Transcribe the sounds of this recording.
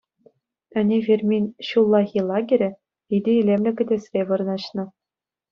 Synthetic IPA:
ɘ̆nʲevʲerʲmʲinʲɕulˠːɑɣʲilˠɑɡʲɘ̆ɾʲɘ̆ | id̪ʲɘ̆ilʲemlʲɘ̆kʲɘ̆dʲesʲrʲeʋɤ̆rɤ̆nɑɕnɤ̆

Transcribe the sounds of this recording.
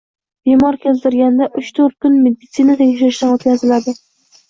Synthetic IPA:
b̥emɒɾkʲezd̪ɪɾɡʲand̪aʔʊt͡ʃt̪ʰoɾt̪̚kʰʊnme̞d̪ɪt̪sɨnat̪ʰeɡʲɪʃaɪʃnaot̪̚kʲazɪlad̪ɪ

